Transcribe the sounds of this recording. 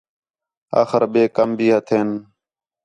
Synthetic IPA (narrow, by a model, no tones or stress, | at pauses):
a̰ːxəɾɓeːkəmbʱiːɦət̪ʰeːn